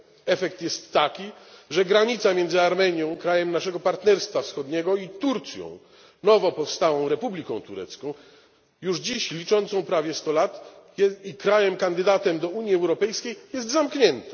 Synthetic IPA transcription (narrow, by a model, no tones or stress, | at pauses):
ɛfɛk̚t̪jɛst̪ːakʲiʐɛɡɾaɲit̪samʲjɛnd̪zɘaɾmɛɲjɔ̃w̃kɾajɛmnaʂɛɡɔpaɾt̪nɛɾst̪fafsxɔd̪ɲɛɡɔit̪uɾt̪sʲjɔ̰̃w̃ | nɔvɔpɔfst̪awɔ̃w̃ɾɛpublʲikɔ̃w̃t̪uɾɛ̰t̪skɔ̃w̃ | juʐd͡ʑiɕlʲit͡ʂɔnt̪sɔ̃w̃pɾavʲjɛst̪ɔlat̪ikɾajɛmkand̪ɘd̪at̪ɛmd̪ɔuɲjiɛwɾɔpɛjskʲejjɛst̪zamkɲɛnt̪ɛ̥